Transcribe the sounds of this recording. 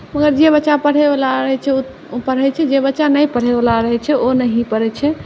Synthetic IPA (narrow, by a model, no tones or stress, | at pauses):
məɡəɾd͡ʒebətːt͡ʃapəɽ̤ɛblaɾəɦɛt͡ʃʰɛu | pəɽ̤ɛt͡ʃʰɛd͡ʒebətːt͡ʃanəjpəɽ̤ɛbəlaɾəɦɛt͡ʃʰɛonəɦĩpəɾɛt͡ʃʰɛ